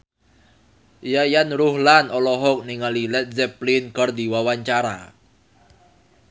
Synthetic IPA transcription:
jajanruhlanɔlɔɦɔk̚niŋalilɛt̪̚zɛplinkərd̪iwawaɲt͡ʃaɾa̰

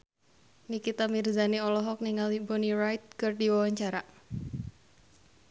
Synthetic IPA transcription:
nikit̪amirzaneɔlɔɦɔk̚niŋalibɔnirajt̪̚kərdiwawaɲt͡ʃaɾa

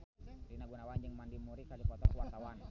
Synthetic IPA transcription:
ɾinaɡunawand͡ʒɨŋmandimuɾikalifɔt̪ɔkwat̪awan

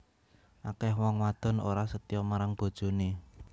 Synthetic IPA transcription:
ʔakɛɦwɔŋwad̪̥ɔ̤no̰ɾasət̪ijɔmaɾaŋb̥o̤d̥ʒ̥o̤ne

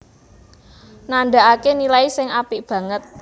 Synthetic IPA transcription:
nanɖa̤akenilaisɪŋapiʔb̥ä̤ŋət̪̚

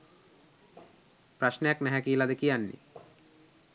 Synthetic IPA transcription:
pɾaʃnejaknɛɦɛkiːlad̪ekijanːḭ

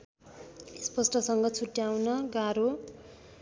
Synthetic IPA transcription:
spʌsʈʌsʌŋɡʌt͡sʰuʈjawnʌɡaɾo

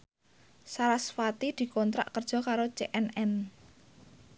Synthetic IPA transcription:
saɾasfat̪id̪̥i̤kɔnt̪ɾa̰ʔkərd̥ʒ̥ɔ̤kaɾot͡ʃeʔɛnɛn

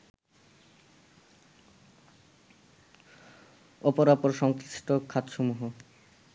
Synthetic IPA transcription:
ɔpoɾapoɾʃɔŋkɾiʃʈokʰat̪ʃomuɦo

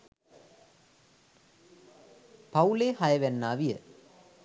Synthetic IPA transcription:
pɐuleːhɐjɐʋɛnːaːʋijɐ̰

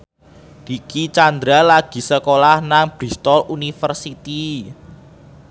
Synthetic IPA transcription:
d̥ikit͡ʃand̪ɾalaɡ̥i̤səkolahnaŋb̥ɾist̪ɔlunifərsit̪i

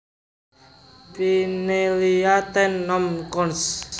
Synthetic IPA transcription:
pineliat̪ɛnːɔmkɔns

